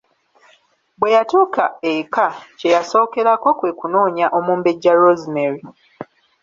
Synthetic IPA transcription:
bwe̞jatuːkaekacejaso̞ːke̞ɾako̞kwe̞ːkuno̞ːɲaʔo̞muːmbeɟːaɾozimeɾi

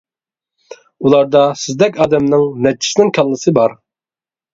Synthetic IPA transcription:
ulˠɑɾd̪ɑsɪzd̪ɛkʲɑːd̪ɛmnɪŋnɛt͡ʃːʰi̥sɪnɪŋkʲʰɑlˠːɨsɨbɑɾ

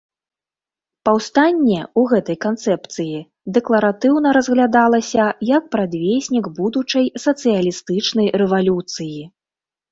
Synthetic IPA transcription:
pawst̪anʲːɛuɣɛt̪ɐjkant̪sɛpt̪sɨji | d̪ɛklˠɐɾat̪ɨwn̪ɐɾɐzɣlʲad̪alˠɐsʲɐjɐk̚pɾad̪vʲesʲnʲiɡbud̪ut͡ʂɐjsɐt̪sɨjɐlʲist̪ɨt͡ʂnɐjrɛvalʲut̪sɨji

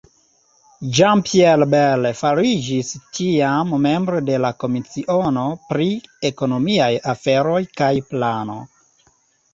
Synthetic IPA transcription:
d͡ʒampielbelfaɾid͡ʒistiamːe̞mbɾode̞lako̞mit͡siʔo̞no̞pɾie̞ko̞no̞miajafe̞ɾo̞jkajplano̞̰

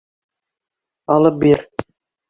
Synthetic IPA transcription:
ɑlˠɤp̚beɾ

